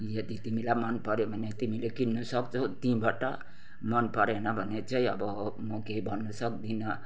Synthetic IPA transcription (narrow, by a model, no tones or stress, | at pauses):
jəd̪it̪imĩlamənpəɾebʱənet̪imĩlekinnusəkt͡ʃʰot̪ĩbʱaʈa̰ | mənpəɾenabʱənet͡ʃʰaiəbɔmokeibʱʌnːusək̚d̪ina